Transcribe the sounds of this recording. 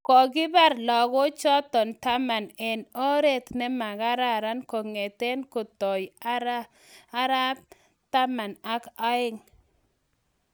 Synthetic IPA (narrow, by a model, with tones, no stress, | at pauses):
kɔ˨ɡɪ˦ba˦ɾlɔ˨ɡɔ˦t͡ʃɔ˦t̪ɔ˨nt̪a˦ma˨nɛ˨no˦ɾe˦t̪nɛ˦ma˨ɡa˦ɾa˦˨ɾa˦nko˨ŋe˨t̪e˦nko˨t̪ɔ˨j | a˦ɾa˦b̚ | t̪a˦ma˨na˦ka˦ɪ˦ŋ